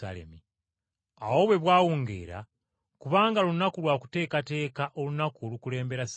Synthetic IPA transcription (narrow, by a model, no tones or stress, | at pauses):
a̰lḛmi | awo̞βwe̞βwaːwuːŋɡḛːɾa̰ | kuβaːŋɡaluunakulwaːku̥te̞ːkate̞ːkaʔo̞lunakulukule̞ːmbe̞ɾas